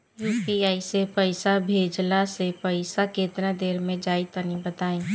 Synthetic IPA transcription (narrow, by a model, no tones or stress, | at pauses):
juːpiaːisepəɪsabʱeːd͡ʒlasepəɪsakeːt̪ɾãd̪eːɾmẽd͡ʒaːit̪ənibət̪aːẽː